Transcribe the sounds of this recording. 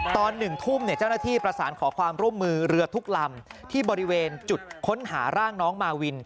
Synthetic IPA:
t̪ɔː˧nːɯ˨˩ŋt̪ʰu˥˩mni˦˥˩t͡ɕaː˥˩wna˥t̪ʰiː˥˩pɾa˧saː˩˦nkʰɔː˩˦kʰwaː˧mɾu˥˩əmːɯː˧ɾɯ˧ɐt̪ʰu˦˥k̚la˧mt̪ʰiː˥˩bɔː˧ɾi˦˥weː˧nt͡ɕu˨˩t̪̚kʰo˦˥nha̰ː˩˦ɾaː˥˩ŋnɔː˦˥ŋmaː˧wi˧n

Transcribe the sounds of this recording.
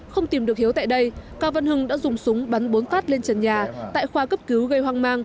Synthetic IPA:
xə˧wŋ͡mt̪i˨˩mɗɨ˨˩ək̚hi˨˦əwt̪a̰ː˧˨jɗə˧jkaː˧və˧nhɨ˧ŋɗa̰ː˧˥zʊ˨˩ŋ͡msʊ˨˦ŋ͡mɓa˨˦nɓo˨˦nfaː˦˥t̚le˧nt͡ɕə˨˩nɲaː˨˩t̪a̰ː˧˨jxwaː˧kə˦˥p̚ki˨˦wɣə˧jhwaː˧ŋmaː˧ŋ

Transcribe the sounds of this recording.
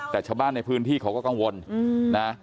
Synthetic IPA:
t̪ɛː˨˩t͡ɕʰaː˧wbaː˥˩nːa˧jpʰɯː˦˥nt̪ʰiː˥˩kʰa˧˥wkɔː˥˩ka˧ŋwo˧nna˦˥

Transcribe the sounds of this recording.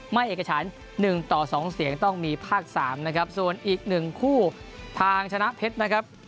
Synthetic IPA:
ma˥˩jʔeː˨˩k̚ːa˧t͡ɕʰaː˩˦˥nː | ɯ˨˩ŋt̪ɔː˨˩sɔː˩˦ŋsi˩˦əŋt̪ɔ˥˩ŋmiː˧pʰaː˥˩k̚saː˩˦mna˦˥kʰɾa˦˥p̚su˨˩ənʔiː˨˩k̚nɯ˨˩ŋkʰuː˥˩ | t̪ʰaː˧ŋt͡ɕʰa˧na˦˥ʔpʰe˦˥t̪̚na˦˥kʰɾa˦˥p̚

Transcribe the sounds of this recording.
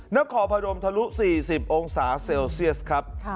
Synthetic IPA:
na˦˥kʰːɔː˩˦pʰa˧ɾo˧mt̪ʰa˧lu˦˥ʔsiː˨˩si˨˩p̚ʔo˧ŋsaː˩˦se˧wsi˥˩əskʰɾa˦˥p̚

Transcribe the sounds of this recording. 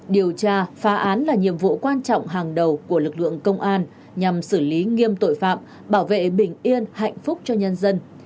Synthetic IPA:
ɗi˨˩əwt͡ɕaː˧faː˨˦ʔaː˨˦nlaː˨˩ɲḭ˧˨əmvṵ˧˨kwaː˧nt͡ɕɔ̰˧˨wŋ͡mɦaː˨˩ŋɗə˨˩wku˧˩əlɨ˨˩k̚lɨ̰˧˨əŋkə˧wŋ͡mʔaː˧n | ɲa˨˩msɨ˧˩li˨˦ŋi˧əmt̪o̰˧˨jfa̰ː˧˨m | ɓaː˧˩wvḛ˧˨ɓï˧˩ŋ̟ʔi˧ənha̰˧˨jŋ̟fʊ˦˥k͡p̚t͡ɕɔ˧ɲə˧nzə˧n

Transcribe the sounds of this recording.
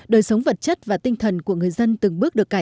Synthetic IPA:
ɗəː˨˩jsə˨˦wŋ͡mvə˨˩t̚t͡ɕə˦˥t̚vaː˨˩t̪ï˧ŋ̟t̪ʰə˨˩nku˧˩əŋɨ˨˩əjzə˧nt̪ɨ˨˩ŋɓɨ˦˥ɗəkːa˧˩

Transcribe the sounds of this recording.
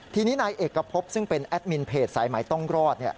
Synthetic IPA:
t̪ʰiː˧niː˦˥naː˧jʔeː˨˩kːa˧pʰo˦˥p̚sɯ˥˩ŋpe˧nʔɛ˦˥t̪̚mi˧npʰeː˨˩t̪̚saː˩˦jma˩˦jt̪ɔ˥˩ŋɾɔː˥˩t̪̚ni˥˩

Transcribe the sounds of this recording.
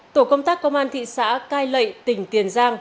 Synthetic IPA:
t̪o˧˩kə˧wŋ͡mt̪aː˦˥kːə˧wŋ͡mʔaː˧nt̪ʰḭ˧˨sa̰ː˧˥kaː˧jlə̰˧˨jt̪ï˨˩ŋ̟t̪i˨˩ənzaː˧ŋ

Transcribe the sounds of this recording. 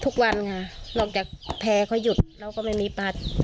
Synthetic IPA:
t̪ʰu˦˧˥k̚wa˧nkʰa˧˩nɔː˧˩k̚t͡ɕaː˨˩k̚pʰɛː˧kʰɔ˧˥˩jːu˨˩t̪̚ɾa˧wkɔː˥˩ma˧˩jmiː˧˥pa˧˩t̪̚

